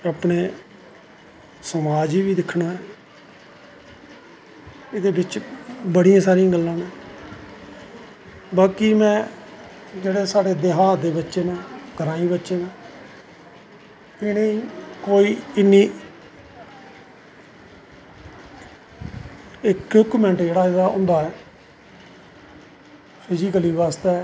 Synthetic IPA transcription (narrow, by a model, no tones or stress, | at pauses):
aːpɳeː | səmaːd͡ʒiːbiːd̪ɪkʰnaːɛː | ɪd̪eːbɪt͡ʃbəɽijãːsaːɾiãːɡəlːãːnẽː | baːkiːmɛ̃ː | d͡ʒeːɽeːsaːɽeːd̪eɦaːd̪eːbətːʃeːmɛ̃ːɡʱəɾãːĩːbətːʃeːnãː | ɪneikoːiːɪnːiː | ɪkʊkumɛ̃ːɳʈd͡ʒeːɽaːaːʊ̰̃nd̪aːɛː | pʰɪzikəliːʋaːst̪eː